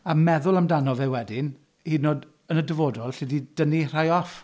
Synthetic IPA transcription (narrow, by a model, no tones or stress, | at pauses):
amɛðʊlˠamdanɔvɛwɛdɪn | hiːdnoːd | ənədəvɔdɔlˠɬidid̥ənir̥ajɔf